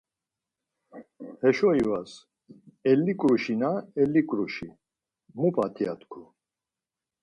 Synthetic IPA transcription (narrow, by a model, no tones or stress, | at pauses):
hɛʃɔivas | ɛlːikʼɾuʃinaɛlikʼɾuʃi | mupʼat̪ʰʼija̰t̪ʰʼkʰu